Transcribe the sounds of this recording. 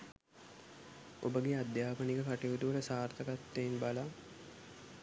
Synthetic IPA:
o̰bəɡead̪jaːpəniɡəkaʈiud̪uʋələsaːɾt̪əɡat̪ːenbala

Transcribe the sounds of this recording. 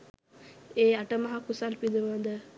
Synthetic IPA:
eːaʈəmɐɦakusalpid̪uʋad̪ə

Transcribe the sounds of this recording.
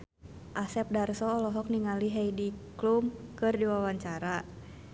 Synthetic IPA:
ʔasɛp̚darsɔːlɔɦɔk̚niŋaliɦɛjdiklumkɨrdiwawaɲt͡ʃaɾa

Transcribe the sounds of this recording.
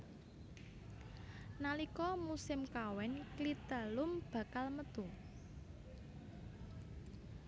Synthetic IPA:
nalikɔmusɪmkawɛnklit̪əlʊmb̥ä̤kalmət̪u

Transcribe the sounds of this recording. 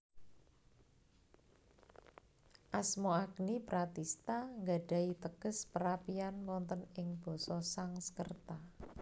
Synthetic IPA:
ʔasmoaknipɾat̪ist̪aŋɡa̤ɖ̥a̤it̪əɡ̥əspəɾapianwɔnt̪ɔnɪŋb̥ɔ̤sɔsaŋsə̥kərt̪a

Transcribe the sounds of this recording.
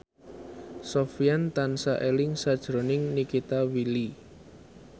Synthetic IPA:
sofijant̪ansaʔelɪŋsad̥ʒ̥ɾonɪŋnikit̪awili

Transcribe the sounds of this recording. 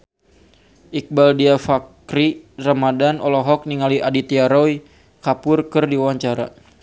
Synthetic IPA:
ʔik̚baldiafakɾiramadanɔlɔɦɔk̚niŋaliʔadit̪iaɾɔi | kapʊrkərdiwawaɲt͡ʃaɾa̰

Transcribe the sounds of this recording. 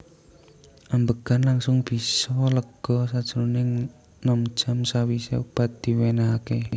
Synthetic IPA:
ʔambəɡ̥a̤nlaŋsʊŋb̥isɔləɡ̥ɔ̤sad̥ʒ̥əɾunɪŋ | nɔm̥ʒ̥a̤msawisḛub̥a̤t̪̚d̪̥i̤wenaɦake

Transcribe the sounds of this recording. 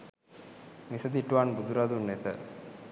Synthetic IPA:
misəd̪iʈuʋanbud̪uɾad̪unːet̪ə

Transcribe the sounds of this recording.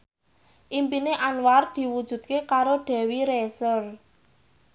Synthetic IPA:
ʔimpineʔanward̪̥i̤wud̥ʒ̥ṳd̪̚kekaɾoɖ̪̥ɛ̤wiɾesɔr

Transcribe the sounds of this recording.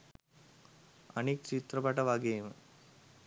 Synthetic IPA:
ɐ̰nek̚t͡ʃit̪ɾɐpɐʈɐʋaːɡeːmɨ

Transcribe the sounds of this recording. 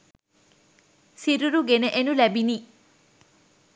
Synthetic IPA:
siɾuɾuɡeneʔenulɛbini

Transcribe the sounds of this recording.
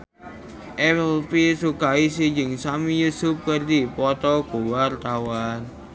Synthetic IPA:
ʔɛplpisukaisiɲd͡ʒəŋsamijusʊp̚kərd̪ipɔt̪ɔɡ̥o̤wart̪awan

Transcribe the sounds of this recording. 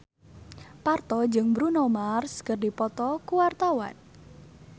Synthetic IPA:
part̪ɔd͡ʒɨŋbɾunɔmarskərdipɔt̪ɔkuwart̪awa̰n

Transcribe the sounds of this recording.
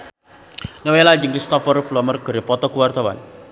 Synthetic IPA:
nɔwelad͡ʒiŋlist̪ɔfɔrplɔmərkəɾepɔt̪ɔkuwart̪awa̰n

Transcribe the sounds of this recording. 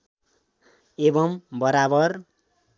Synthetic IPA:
ebʌmbʌɾabʌr

